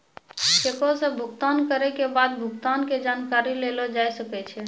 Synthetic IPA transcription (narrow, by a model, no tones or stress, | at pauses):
kekosəbʱʊɡt̪ankəɾɛkebad̪bʱʊɡt̪anked͡ʒankaɾilelod͡ʒajsəkɛt͡ʃʰɛ